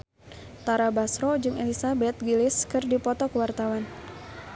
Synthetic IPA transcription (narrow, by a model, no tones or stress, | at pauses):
t̪aɾabasɾɔd͡ʒɨŋɛlisabɛt̪̚ɡilɪskɨrdipɔt̪ɔkəwart̪awan